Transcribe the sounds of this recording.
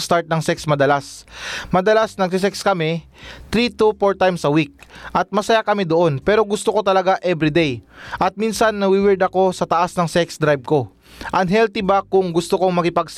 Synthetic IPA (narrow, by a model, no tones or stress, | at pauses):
st̪aɹt̪̚nɐŋsɛksmɐd̪ɐlasmɐd̪ɐlasnɐɡ̚s̬ɪs̬ɛkskɐmɛ | t̪ɾit̪upoɹt̪ajmsɐwik̚ʔɐt̪̚mɐsɐjakɐmid̪oʔo̞npɛːɾo̞ɡʊst̪oko̞t̪ɐlɐɡaʔɛbɾɪd̪ɛjʔɐt̪̚minsɐnːɐwiwɛɹd̪ɐko̞sɐt̪ɐʔasnɐŋsɛksd̪ɾajb̚ko̞ | ʔɐŋɦɛlt̪ibakʊŋɡʊst̪oko̞ŋmɐkɪpɐɡ̚s